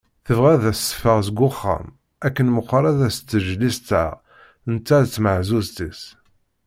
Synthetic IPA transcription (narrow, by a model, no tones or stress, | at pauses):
θəvʁæðæsə̥fəʁzəɡʷʊχːæ̰m | ækːənməqʷːɾˤaðæst͡s̪ːəʒlist̪ə̰ʁ | ənt̪ːæt͡sːməʕzuzt̪is